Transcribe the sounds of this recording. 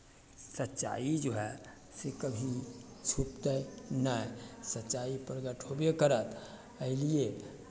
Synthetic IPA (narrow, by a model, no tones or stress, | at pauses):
sətːt͡ʃa̰id͡ʒoɦɛ | sekəbʱit͡ʃʰupt̪ənasətːt͡ʃaipɾəɡəʈɦobekəɾət̪ | əɪlie